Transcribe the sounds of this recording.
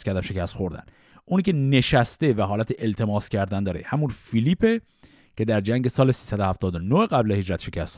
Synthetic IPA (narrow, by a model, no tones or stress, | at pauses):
skʰʲæɾd̪æmʃe̞cʰæst̪χxoɾd̪æ̰n | ʔuːniːcʲe̞ne̞ʃæst̪e̞væɦɒːlæt̪ʰeʔelt̪ʰe̞mɒːscʰæɾd̪ænd̪ɒːɾḛhæmunfiliːpʰe | cʰe̞d̪æɾd͡ʒæŋɟe̞sɒːle̞siːsæd̪ohæft̪ɒːd̪onoheɣæblehe̞d͡ʒɾæt̪ʃe̞cʰæst̪